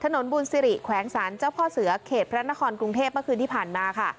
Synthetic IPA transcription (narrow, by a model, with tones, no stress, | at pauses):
t̪ʰa˧no˩˦nbuː˧nsi˧ɾi˨˩ʔkʰwɛː˩˦ŋsaː˩˦nt͡ɕaː˥˩wkʰɔː˥˩sɯ˨˩˦ɐkʰeː˨˩t̪̚pʰɾa˦˥na˦˥kʰɔː˧nkɾu˧ŋt̪ʰeː˥˩p̚mɯ˥˩əkʰɯ˧nt̪iː˥˩pʰaː˨˩nmaː˧kʰa˥˩